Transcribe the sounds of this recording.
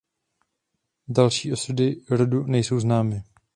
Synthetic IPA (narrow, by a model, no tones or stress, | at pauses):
dalʃiːʔo̞sudɪɾodunɛjso̞wznaːmɪ